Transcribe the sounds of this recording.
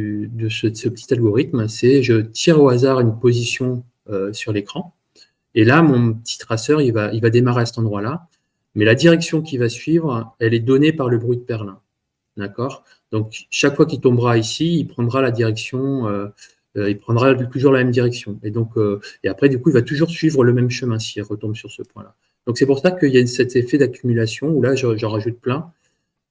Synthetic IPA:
d̪əsəsəpət̪ʰi̥t̪alɡɔʁit̪msɛʒət̪ʰiʁoazaʁynpozisjɔ̃ | øsyʁlekχɑ̃ | elamɔ̃pət̪ʰi̥t̪χasœʁilvailvad̪emaʁeasɛt̪ɑ̃d̪ʁwala | mɛlad̪iʁɛksjɔ̃kʲivasɥivʁɛlɛd̪ɔnepaʁləbʁɥid̪əpɛʁlɛ̃ | d̪akɔʁ | d̪̥ɔ̃kʃakfwakilt̪ɔ̃bʁaisiːlpχɑ̃d̪ʁalad̪iʁɛksjɔ̃ø | øilpχɑ̃d̪ʁat̪uʒuʁlamɛmd̪iʁɛksjɔ̃ed̪ɔ̃køeapχɛd̪ykuilvat̪uʒuʁsɥivʁələmɛmʃəmɛ̃siɛlʁət̪ɔ̃bsyʁsəpwɛ̰̃la̰ | d̪̥ɔ̃ksɛpuʁsakəiljasɛt̪efɛd̪akʲʰymylasjɔ̃ulaʒəʒəʁaʒut̪̚plɛ̃

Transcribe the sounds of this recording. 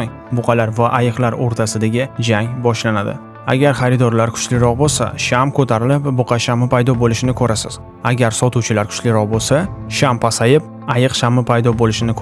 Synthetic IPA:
ŋ | bʊqʰɑlaɾvaʔajɨqlˠaɾoɾt̪ʰasɪd̪aɡʲɪd͡ʒaŋbɒʃlanad̪ɪ̰ | a̰ɡʲaɾχɑɾɪd̪ɒɾlaɾkʰʊ̥t͡ʃlɪɾɒqbolˠsa̰ʃamkʰɵt̪ʰaɾɪlɪpbʊqʰɑʃamɪpajd̪ɒbolɪʃɪnɪkʰɵɾasɪz̥ | aɡʲaɾsɒt̪ʰuwt͡ʃʰɪlaɾkʰʊ̥t͡ʃlɪɾɒq̚bolˠsaʃampʰasajɪp̚ | ajɨqʃamɪpʰajd̪ɒbolɪʃɪnɪkʰ

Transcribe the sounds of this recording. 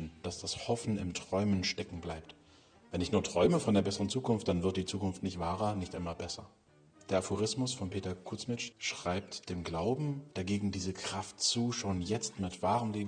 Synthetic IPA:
nd̥asd̥ashɔfn̩ɪmtʁ̥ɔʏmənʃtɛkŋ̩blaɪpt | vɛnɪçnuːɐtʁ̥ɔʏməfɔndeːɐbɛsəʁənt͡suːkʊnft̚d̥anvɪɐt̚d̥iːt͡suːkʊnftnɪçtv̥aːʁɐnɪçtʔaɪmaːlbɛsɐ | d̥eːɐafoʁ̞ɪsmʊsfɔnpʰeːtɐkʰʊt͡smɪt͡ʃʃʁ̥aɪp̚td̥eːmɡlaʊbm̩d̥aɡeːɡŋ̩diːzəkʁ̥aftt͡suːʃoːnjɛt͡stmɪtv̥aːʁəmleː

